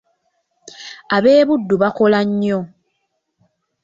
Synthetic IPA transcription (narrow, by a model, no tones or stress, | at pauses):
aβe̞ːβudːuβako̞laɲːo